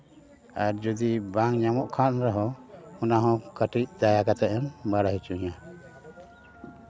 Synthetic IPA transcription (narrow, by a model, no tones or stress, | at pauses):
aɾd͡ʒɔd̪ibaŋɲamɔʔkʰanɾɔɦɔɔnaɦɔ̃kəʈic̚d̪ajakat̪ɛɛmbaɽaɦit͡ʃuɲa